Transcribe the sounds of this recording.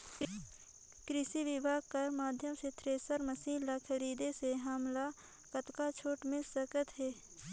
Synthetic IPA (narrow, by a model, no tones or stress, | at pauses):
kɾɪʃiʋɪbʱaːɡ̚kəɾmaːd̪ʱjəmset̪ʰɾeːsəɾməsiːnlakʰəɾiːd̪eseɦaːmla | kət̪kat͡ʃʰoːʈmẽsəkət̪ɦɛː